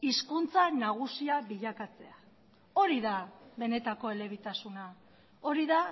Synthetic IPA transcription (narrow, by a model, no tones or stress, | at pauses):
iskunt͡sanaɣ̞usiaβiʎakat͡se̞a | o̞ɾiðaβe̞ne̞t̪ako̞e̞le̞βit̪asuna | o̞ɾiða